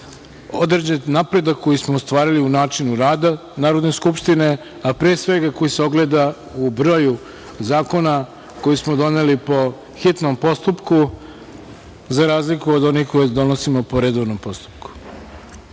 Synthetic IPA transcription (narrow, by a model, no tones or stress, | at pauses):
o̞d̪ɾed͡ʑennapɾe̞d̪akkːo̞jismoust̪ʋaːɾiliunaːt͡ʃinuɾaːd̪a | naːɾo̞d̪ne̞skupʃt̪ine̞ | apɾesʋe̞ɡako̞jiseo̞ɡle̞ːd̪a | ubɾo̞ːju | zaːko̞na | ko̞jismo̞d̪o̞nelipo̞ | xit̪nompo̞st̪upku | zaɾaːzlikuod̪o̞nixkojed̪o̞nosimopo̞ɾed̪oʋnompo̞st̪u̥p̚ku̥